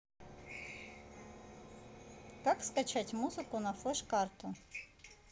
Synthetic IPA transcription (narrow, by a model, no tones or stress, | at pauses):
kɑkskat͡ɕʰatʲmuzɨkʊnɐfɛʂkɑrt̪ʊ